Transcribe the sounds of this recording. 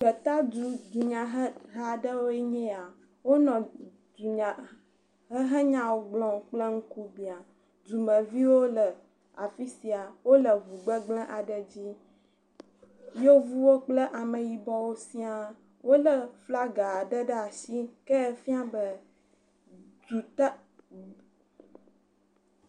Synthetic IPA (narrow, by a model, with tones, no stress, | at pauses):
bə˨t̪a˦du˨d̪u˨ɲã˨ɦə˦ɦa˨ɖə˦wo˦e˦ɲɛ̃˦a˨ | wo˦nɔ̃˨ | d̪u˨ɲã˨ | ɦə˦ɦə˦ɲã˦wo˨ɡ͡blɔ̃˨k͡plə˦ŋ̩˦ku˦bi˨a˨ | d͡ʒu˨mə̃˨vi˦wo˦lə˨ | a˨fi˦si˨a˨wo˦lə˨vu˨ɡ͡bə˦ɡ͡blə̃˦ʔa˨ɖə˨d͡ʑi˦ | jo˦vu˦wo˦k͡plə˦ʔa˨mə˨ji˨bɔ˦wo˦si˦a˨ | wo˦lə˨fla˦ɡa˨a˨ɖə˦ɖə˦a˨si˦kɛ˦˨fi˦a˦bə˦ | d͡ʒu˨t̪